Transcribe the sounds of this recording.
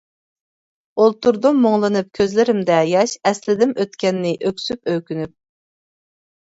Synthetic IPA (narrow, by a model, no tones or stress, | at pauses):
olˠt̪uɾd̪umːoŋlˠɨnɨp̚kʲʰøzlɪɾɪmd̪ɛjɑʃɛslɪd̪ɪmʔøt̪kʲɛnːɪʔøkʲsypøkʲynyp̚